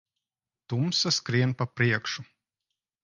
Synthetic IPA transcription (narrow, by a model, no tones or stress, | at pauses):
t̪umsaskɾiɛnpapɾiɛkʃu